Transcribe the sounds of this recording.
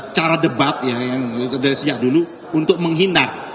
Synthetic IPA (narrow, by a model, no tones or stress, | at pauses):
t͡ʃaɾadəbap̪̚jajaŋdaɾisəd͡ʒaʔ̚dulu | unt̪ʊk̚məŋɦinat̪̚